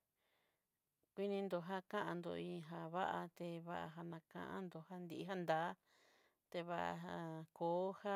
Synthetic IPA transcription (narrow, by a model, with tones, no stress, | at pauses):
kʷi˦nĩ˧nd̪o˧ɦa˦kã˦ʔã˧nd̪o˧ĩ˧ɦa˧βa˦ʔa˧t̪e˧βa˦ʔa̰˧ɦa˧nã˧kã̰˧ʔã̰˦nd̪o˧˨ha˦nd̪i˧i˧ɦa˦nd̪aː˨˦ | t̪e˧βa˦ʔa̰˧a˧koː˨˦ha˦